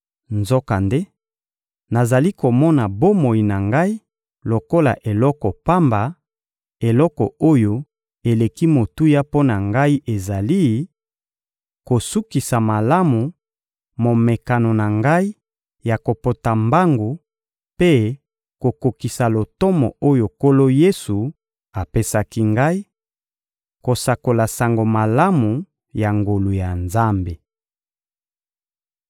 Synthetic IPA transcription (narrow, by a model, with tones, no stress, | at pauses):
nzɔ˦ka˨nde˦ | na˨za˨li˦ko˨mɔ˦na˨bo˦mo˨i˨na˨ŋɡa˦i˦ | lo˨ko˦la̰˨ʔe˨lɔ˦kɔ˨pa˦mba˨ | e˨lɔ˦kɔ˨o˦jo˨ | e˨le˨ki˦mo˨tu˦ja˦po˦na˨ŋɡa˦i˦ʔe˨za˨li˦ | ko˨su˦ki˨sa˨ma˨la˦mu˨ | mo˨me˨ka˨no˨na˨ŋɡa˦i˦ | ja˨ko˨po˨ta˨mba˦ŋɡo˨ | pe˦ | ko˨ko˨ki˨sa˨lo˨tɔ˦mɔ˨o˦jo˨ko˦lo˦je˦su˨ | a˨pe˦sa˦ki˦ŋɡa˦i˦ | ko˨sa˨ko˨la˨sa˨ŋɡo˨ma˨la˦mu˨ | ja˨ŋɡo˨lu˨ja˨nza˦mbe˨